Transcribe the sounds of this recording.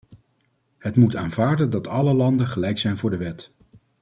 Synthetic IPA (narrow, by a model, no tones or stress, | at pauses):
ɦətmutaːnvaːɹdəndɑtʰɑləlɑndəχəlɛjksɛjnvʊːɹdəʋɛt